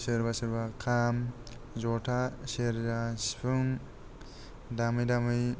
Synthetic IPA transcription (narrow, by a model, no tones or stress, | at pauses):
sɯɾbasɯɾbakʰam | zɔtʰaseɾzasi̥pʰɯŋ | damɯjdamɯj